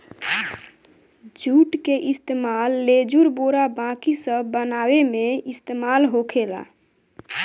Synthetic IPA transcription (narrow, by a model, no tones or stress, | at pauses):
d͡ʒuʈkeʔist̪emalːed͡ʒuɾboɾabãkisəbənawemeist̪emalɦokʰela̰